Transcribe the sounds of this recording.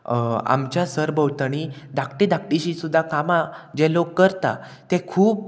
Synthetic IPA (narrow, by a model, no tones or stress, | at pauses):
a̰mt͡ɕjasəɾbəwt̪əɽid̪ʱakʈid̪ʱakʈiɕisud̪ʱːakamad͡ʑelokːəɾt̪a̰ | t̪ekʰuːp̚